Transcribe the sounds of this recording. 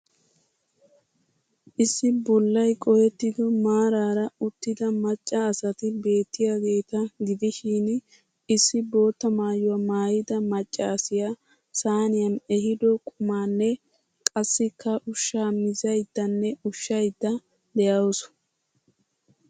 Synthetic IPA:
ʔɪsːɪbɔlːɐjkʼɔjɛt̪ːɪd̪ɔmaːɾaːɾɐʊt̪ːɪd̪ɐmɐt͡ʃʼːɐːsɐt̪ɪbe̞ːt̪ːɪjaɡe̞ːt̪ɐɡɪd̪ɪʃiːn | ɪsːɪbo̞ːt̪ːɐmaːjʊwɐmaːjɪd̪ɐmɐt͡ʃʼːaːsɪja | saːnɪjɐnɛhɪd̪ɔkʼʊmaːnːɛ | kʼɐsːɪkːɐʔʊʃːaːmɪzɐjd̪ːɐnːɛʊʃːɐjd̪ːɐ | d̪ɛjaws

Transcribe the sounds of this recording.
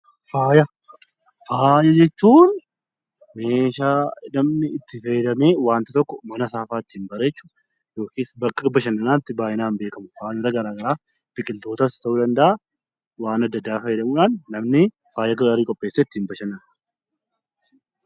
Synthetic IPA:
faːjɐ | faːjɐd͡ʒɛt͡ʃːuːn | meːʃaːnɐmnɪɪt̪ːɪfɐjɛd̪ɐmeːwaːnt̪ɪt̪ɔkːɔmɐnɐsaːfaːɪt̪ːɪhɪmbɐɾeːt͡ʃːu̥ | jo̞ːkiːsbɐkːɐbɐʃɐnːɐnaːɪt̪ːɪbaːʔɪnaːnbe̞ːkɐmʊfaːjnot̪ɐɡɐɾaːɡɐɾaː | b̥ɪkʼɪlt̪o̞ːt̪ɐst̪ɐʔuːd̪ɐnd̪ɐʔa | waːnɐd̪ːɐd̪ːaːfɐjɛd̪ɐmuːᶑaːnːɐmnɪ | faːjɐɡɐɾɐɾiːkʼɔpʼːe̞ːsːeːt̪ːɪhɪmbɐʃɐnːɐn

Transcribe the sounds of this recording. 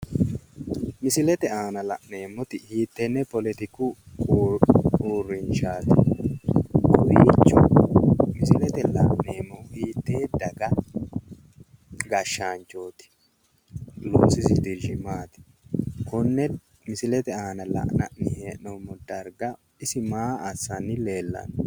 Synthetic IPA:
mɪsɪlɛt̪ɛaːnɐlɐʔneːmːɔt̪ɪhiːt̪ːɛnːɛpɔlɛt̪ɪkʊ | uːrːɪnʃaːt̪ɪ̥ | kɔwit͡ʃːʊ | mɪsɪlɛt̪ɛlɐ̰ʔneːmːɔwhiːt̪ːeːd̪ɐɡɐ | ɡɐʃːaːnt͡ʃo̞ːt̪ɪ̥ | luːsɪsɪd̪ɪʒɪmaːt̪ɪ̥ | kʊnːɛ | mɪsɪlɛt̪ɛaːnɐlɐ̰ʔnɐ̰ʔnɪheːʔnɔmːɔd̪ɐɾɡɐ | ɪsɪmaːɐsːɐnːɪle̞ːlːɐ̰n

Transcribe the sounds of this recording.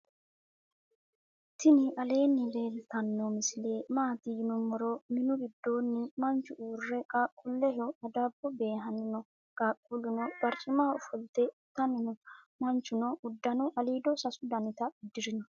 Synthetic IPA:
t̪ɪnɪʔɐle̞ːnːɪleːlt̪ɐnːɔmɪsɪle̞ːmaːt̪ɪjɪnʊmɔɾɔmɪnʊɡɪd̪ːo̞ːnːɪmɐnt͡ʃːʊʔuːrːɛkʼakʼːʊlːɛɦɔɐd̪abːɔbe̞ːɦɐnɪnɔ | kʼaːkʼːulʊnɔb̥ɐɾt͡ʃʼːɪmaːɔfɔlt̪ɛt̪ːɐnɪnɔ | mɐnt͡ʃːʊnɔʊd̪ːɐnʊʔɐliːd̪ɔsɐsʊd̪ɐnɪt̪ɐɪd̪ːɪɾɪnɔ

